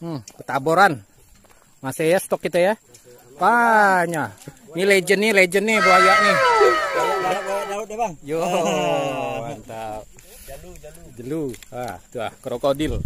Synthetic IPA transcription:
m̩pət̪aboɾan | masejast̪ɔkːit̪əja | aɲaɲiled͡ʒənɪled͡ʒənebəajaʔɲi | alat̪̚ebajo | want̪a | d͡ʒəluaht̪ua̰hkəɾokodɪl

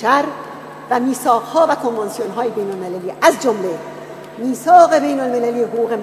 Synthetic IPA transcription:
æɾ | væmiːsɒːɣhɒːvækʰonvɑnsijonɦɒːjebe̞jnolmelæliːʔæzd͡ʒomle | miːsɒːɣe̞be̞jnolme̞læliːeɦoɣuːɣem

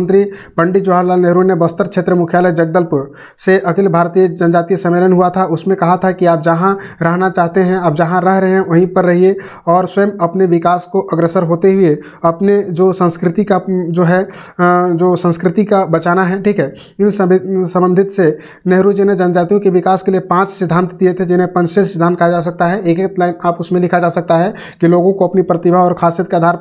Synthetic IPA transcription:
nt̪ɾipə̃ɳɖid͡ʒoaːɾlaːlneɦɾunebɐst̪əɾkʃʰeːt̪ɾəmʊkʰjaːləjd͡ʒɐɡ̚d̪əlp | seʔɐkɪlbʱaːɾt̪ijəd͡ʒɐnəd͡ʒaːt̪isɐ̃meːlənɦuat̪ʰaʊsmẽkɐɦat̪ʰakiaːp̚d͡ʒɐɦãɾɐɦnat͡ʃaːɦt̪eɦɛ̃aːp̚d͡ʒɐɦãɾəɦɾɐɦeɦɛ̃ʋɐɦĩpɐɾːɐɦie | ɔːɾswɐjəmɐpneʋɪkaːskoʔɐɡɾesəɾɦoːt̪eɦʊe | ɐpned͡ʒoːsə̃nskɾɪt̪ikad͡ʒoːɦɛ | d͡ʒoːsə̃nskɾɪt̪ikabɐt͡ʃaːnaɦɛʈʰiːkɦɛː | ɪnssə̃mbə̃nd̪ʱɪt̪se | nɛɦɾuːd͡ʒenẽd͡ʒaːnd͡ʒaːt̪iɦũkiʋɪkaːskeliepãːt͡ʃsɪd̪ʱːãːnt̪d̪ijet̪ʰed͡ʒɪnẽpɐ̃nt͡ʃsesɪd̪ʱaːnt̪kɐɦad͡ʒaːs̬ɐk̚t̪aɦɛeːkek̚t̪laːɪnaːpʊsmẽlɪkʰad͡ʒaːsɐk̚t̪aɦɛ | kiloːɡõkoɐpnipɾət̪ɪbʱaɔːɾkʰaːsijət̪̚keaːd̪ʱaːɾ

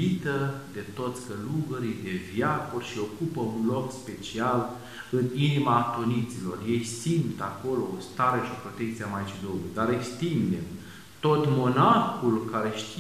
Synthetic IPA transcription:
it̪əd̪e̞t̪o̞t̪sʲkəluɡəɾijd̪e̞vjakurʲʃio̞kupəunlo̞kspe̞t͡ʃial | ɨninimat̪onit̪silo̞̰rje̞jsimt̪ako̞lo̞ːst̪aɾeʃopɾo̞t̪e̞k̚t̪siamajt͡ʃid̪olujd̪aɾekst̪imd̪e | t̪o̞t̪mo̞narxulkaɾe̞ʃt̪i

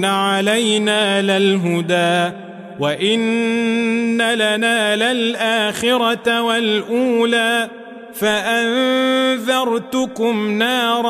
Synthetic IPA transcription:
aʕalajnaːlalɦʊd̪aː | waʔɪnː | alanaːlalʔaːxɪɾat̪walʔuːlaː | faʔanðɑɾˤt̪ʊkʊmnɑːɾˤ

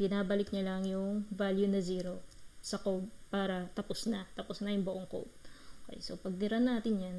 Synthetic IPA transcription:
bɪnaːbɐlɪkɲɐlɐŋjʊŋvaljunɐziːɾo̞sɐkowb̚paːɾɐt̪ɐposnɐt̪ɐposnɐjʊŋbʊʔoŋko̰wp̚okɛ̰jso̰pɐɡ̚nɪɾɐnːaːt̪ɪnjan

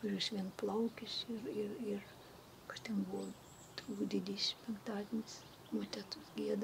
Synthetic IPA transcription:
kɐrʲuːsʋʲiɛnplˠɐʊkʲɪsʲɪrɪrɪr | kɐst̪ʲɛnbʊʋo | t̪uːkd̪ʲʋʲɪd̪ʲɛʃʲɪmpʲɛŋkt̪ɑːd̪ʲɪnʲɪs | moːt̪ʲæt̪ʊsɡʲiɛd̪ɐ

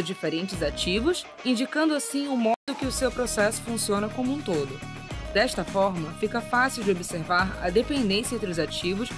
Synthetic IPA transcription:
ʊd͡ʒifeɾẽnt͡ʃɪzat͡ʃivʊs | ĩnd͡ʒikɐ̃nd̪ʊasĩʊmɔd̪ʊkɪʊsewpɾosɛsʊ̥fũsiõnɐkõmũt̪od̪ʊ | d̪ɛʃt̪ɐfɔɾmɐfikɐfasiwd͡ʒɪobiseɾvaɾɐ̰d̪epẽnd̪ẽsiẽnt̪ɾʊzat͡ʃivʊs

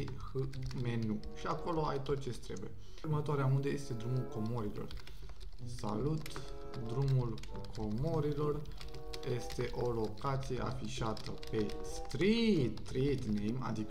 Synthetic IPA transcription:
hɨ | me̞nu | ʃiako̞lo̞a̰jt̪o̞t̪̚t͡ʃe̞st̪ɾebuje | rmət̪oaɾeamund̪əje̞st̪e̞d̪ɾumulko̞mo̞ɾilo̞̰r | sa̰lut̪ | d̪ɾumul | kʰo̞mo̞ɾilo̞r | je̞st̪e̞ʔo̞lo̞kat̪sije̞ʔa̰fiʃat̪əpe̞st̪ɾit̪ɾit̪nejma̰d̪ikə

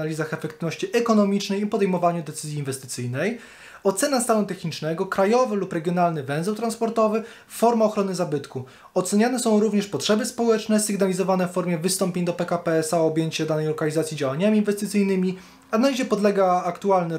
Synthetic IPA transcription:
alʲizaxɛfɛkt̪ɘvnɔɕt͡ɕiʔɛkɔnɔmʲit͡ʂnɛjipɔd̪ɛjmɔvaɲud̪ɛt̪sɘzʲjiːnvɛst̪ɘt̪sɘjnɛj | ɔt̪sɛnast̪alut̪ɛxɲit͡ʂnɛɡɔkɾajɔvɘlupɾɛɡʲjɔnalnɘvɛw̃zɛwt̪ɾanspɔɾt̪ɔvɘ | fɔɾmaɔxɾɔnɘzabɘt̪ku | ɔt̪sɛɲanɛsɔ̃w̃ɾuvɲɛʂpɔtʂɛbɘspɔwɛt͡ʂnɛsɘɡnalʲizɔvanɛffɔɾmʲjɛvɘst̪ɔmpʲeɲd̪ɔpɛkapɛɛsaɔbʲjeɲt͡ɕɛd̪anɛjlɔkalʲizat̪sʲid͡ʑawaɲamʲiːnvɛst̪ɘt̪sɘjnɘmʲi | analʲiʑɛpɔd̪lɛɡaːkt̪ualnɘ

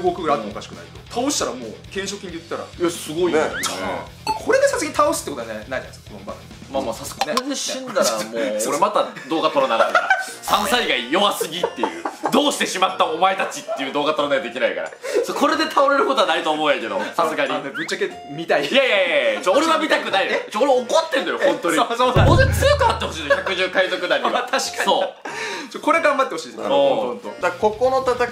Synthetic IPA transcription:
ɡoːkɯ̟ɡɯɾat̪ːokaɕi̥kɯnaiked̪̥ot̪ʰaoɕi̥t̪aɾamoːkẽɰ̃ɕokʲiɲd̪ejɯt̪eːt̪ːaɾa̰jasɨɡo̞iḛ | d̪ekʰo̞ɾed̪esasɨɡaɲit̪aosɨ̥t̪ːekot̪oanenaid̪anskma | mamoːsasɨ̥ɡneeeɕĩnd̪aamooɾemat̪ad̪o̞ːɡat̪o̞ɾonaɡaɾa̰sasaɾʲiɡaijoβasɨɡʲit̪ːe̞jɯ̟̰ːd̪oːɕi̥t̪e̞ɕimat̪ːaomaet̪at͡ɕit̪ːe̞jɯd̪o̞ːɡat̪oɾonaɡad̪e̞kʲinaika̰ɾa̰skʰo̞ɾe̞d̪e̞t̪ʰao̞ɾe̞ɾɯ̟ko̞t̪o̞anait̪oːmo̞ɯjake̞d̪o̞̰sasɨɡaɾʲibɯ̟t͡ɕake | mʲit̪aijajajajt͡ɕooɾe̞βamʲit̪akɯ̟nait͡ɕooɾeaokot̪ːẽ̞nd̪ajohõnt̪oɲooet͡sɨjokɯ̟at̪ːe̞ho̞ɕ̬iːnoçʲjakɯ̟ʑɨːkaizo̞kɯ̟naɾit̪ʰaɕi̥kasoːt͡ɕoko̞ɾeɡãmbat̪ːeho̞ɕiːd̪sõːod̪akokonot̪at̪a

